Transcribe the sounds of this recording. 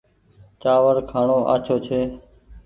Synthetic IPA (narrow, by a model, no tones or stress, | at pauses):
t͡ʃaːʋəɾkʰaːɳoːʔa̰ːt͡ʃʰoːt͡ʃʰeː